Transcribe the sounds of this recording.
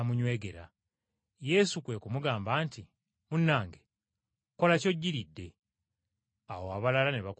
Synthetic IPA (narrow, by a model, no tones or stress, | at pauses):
amuɲwe̞ːɡe̞ɾa̰ | je̞ːsukwe̞kumuɡaːmbaːnti | munːaːŋɡe | ko̞laco̞ɟːiɾidːe̞ | awoaβalalaneβak